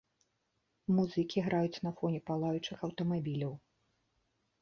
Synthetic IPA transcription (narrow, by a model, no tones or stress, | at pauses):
muzɨkʲiɣɾajut͡sʲnɐfɔnʲɛpalˠajut͡ʂɨxɐwt̪ɐmabʲilʲɐw